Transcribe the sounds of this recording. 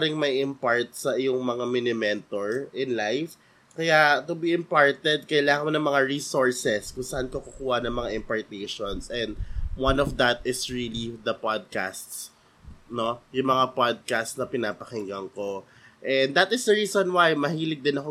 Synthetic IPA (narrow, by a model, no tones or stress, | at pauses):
ɾɪŋmɐjɪmpaɹt̪̚sɐʔɪjoŋmɐŋamɪnɪmɛnt̪oɹɪnlajf | kɐjat̪ʊbiʔɪmpaɹt̪ɛd̪̚kɐjlaːŋɐŋmonɐŋmɐŋaɹisoɹsɛskʊŋsɐʔankokʊkuːhɐnɐŋmɐŋaʔɪmpɐɹt̪ejʃonsʔɛ̃nd̪̚wɐ̃nɔfd̪ɐt̪̚ɪsɹilid̪ɐpad̪̚ka̰st̪s | no̞jʊŋmɐŋapad̪̚kast̪snɐpɪnaːpɐkɪŋɡɐŋko̞ | ʔɛnd̪ɐt̪ɪsd̪ɐɹiːsonwajmɐhiːlɪɡ̚d̪ɪnɐko